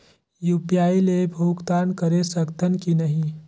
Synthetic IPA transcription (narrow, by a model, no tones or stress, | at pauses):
juːpijaːilebʱuːkt̪aːnkɐɾesəkt̪ənkinɐɦĩ